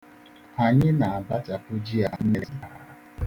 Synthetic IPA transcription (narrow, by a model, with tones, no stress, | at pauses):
ha˨ɲɪ˦na˨a˨ba˦t͡ʃa˨pʊ˦d͡ʒi˦a˨n̩˦ɾa˨˦˨